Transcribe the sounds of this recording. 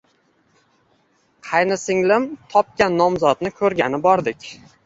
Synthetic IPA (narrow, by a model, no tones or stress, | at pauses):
qʰɑjnɪsɪŋlɪmt̪ʰɒp̚kʲanːɒmzɒt̪̚nɪkʰɵɾɡʲanɪbɒɾd̪ɪkʲ